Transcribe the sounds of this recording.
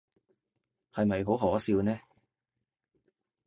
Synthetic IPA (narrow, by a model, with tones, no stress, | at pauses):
hɐ˨jmɐ˨jɦo˨˥wɦɔː˨˥siː˧wnɛː˥